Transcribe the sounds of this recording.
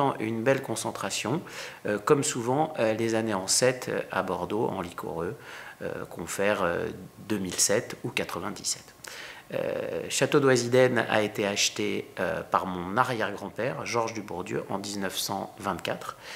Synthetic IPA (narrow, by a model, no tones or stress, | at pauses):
ɑ̃ʔynbɛlkɔ̃sɑ̃t̪χasjɔ̃økɔmsuvɑ̃ølezaneɑ̃sɛt̪ʰø̰a̰bɔʁd̪oɑ̰̃likʰɔ̰ʁøø̰kʰɔ̃fɛʁø̰d̪ømilsɛt̪ukat̪χəvɛ̃d̪isɛ̥t̪ø̰ʃat̪od̪wazid̪ɛna̰et̪eaʃt̪eø̰paʁmɔ̃naʁjɛʁɡʁɑ̃pɛʁʒɔʁʒd̪ybuʁd̪jø̰ʔɑ̃d̪iznœfsɑ̃vɛ̃t̪kʲat̪χ